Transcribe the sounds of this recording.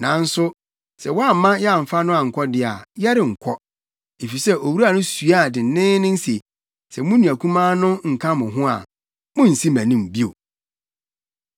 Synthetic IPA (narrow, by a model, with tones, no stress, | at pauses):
nã˨n̩˦sʊ˦ | sɛ˨wɔ˦a˦˨mã˦jɛ˦a˨m̩˨fa˦nʊ̃˦a˨ŋ̩˨kʰɔ˦dɪ˦a̰˨jɛ˦ɾɪ˨ŋ̩˨kʰɔ˦ | e˨fi˨sɛ˦ʔo˨wu˦ɾa˨nʊ̃˦su˨a˦˨dɪ˨˦nɪ̃ː˦nɪ̃˦n̩˦se˨ | sɛ˨mʊ̃˦nũ˨æ˨kʰũ˦mãː˦nʊ̃˦ŋ̩˨kʰã˦mʊ̃˨ɦʊ̃˦a̰˨ | mʊ̃˦n̩˨si˦mæ̃˨nĩ˦m˨bi˦o˨